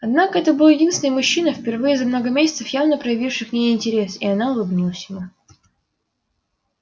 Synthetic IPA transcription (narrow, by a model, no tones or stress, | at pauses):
ɐd̪nakəɛt̪əbɨlˠjɪdʲinsʲɪnəjmʊɕːinəfʲpʲɪrvɨjəzɐmno̞ɡəmʲesʲɪt̪səfjavnəpɾəjɪvʲifʂɨxnʲejɪnʲtʲɪɾʲe̞sɪɐnaʊlˠʊbnʲilˠəsʲjɪvʲu